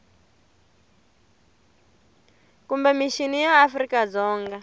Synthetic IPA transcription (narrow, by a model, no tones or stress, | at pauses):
kumbɛmiʃinijaːfrikad͡zɔːŋɡa